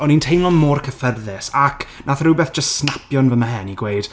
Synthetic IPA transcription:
ɔnintʰejmlɔmoːrkʰəfərðɛsakʰnʔaθrʊbɛθd̥d͡ʒ̥əstsnapjɔnvəmaɦɛniɡwejd̥

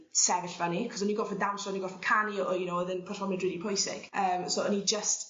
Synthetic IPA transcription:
sɛvɪɬv̥anikʰɔsɔniɡɔlˠfəndamsɔniɡɔlfəkʰaniɔjunowəðɪnpʰɔɬɔmɪdrɪdipʰɔjsɪ̰ɡ̥əːmsoənid͡ʒəst

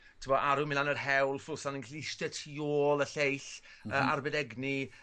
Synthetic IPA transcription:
tʰɪmɔʔaɾumɪlanərhɛwlˠfʊsanənkʰlistɛtʰioːlˠəɬejɬ | əʔa̰rbɛdɛɡni

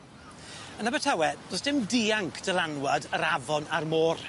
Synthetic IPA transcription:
ənabətʰawɛrɔsd̥ɪmdiːaŋkʰd̥əlˠanwadəɾavɔnarmoːr

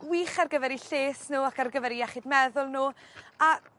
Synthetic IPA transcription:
ɡ̥wiːχarɡəvɛɾiɬeːsnuːakarɡəvɛɾiaχidmɛðʊlˠnuːa

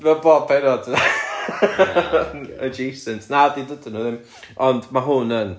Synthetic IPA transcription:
məbɔːd̚pʰɛnɔda | nəd͡ʒisəntnadidədənuðɪm | ɔnd̥maɦuːnən

